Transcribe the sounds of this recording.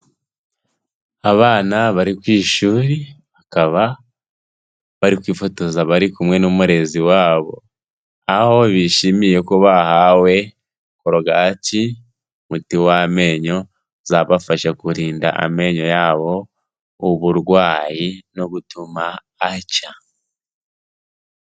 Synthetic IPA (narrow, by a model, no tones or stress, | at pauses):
aβaːnaβaɾikwiːʃuːɾiβakaβa | βaɾikwiːfo̞to̞zaβaɾikumŋe̞numuɾe̞ziwaːβo̞̰ | ahoβiʃimije̞koβahawe̞ | koɾoɡaci | mutiwame̞ɲo̞ | zaβafaʃakuɾiːnda̰ʔa̰me̞ɲo̞jaːβo̞ | uβuɾɡwaːjino̞ɡutumaː | ca